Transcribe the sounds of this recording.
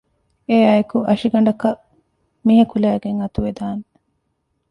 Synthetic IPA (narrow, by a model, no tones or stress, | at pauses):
ejaːjekuʔɐʃiɡɐɳɖɐkɐ | miɦɐkulæːɡeŋɐt̪uʋed̪aːne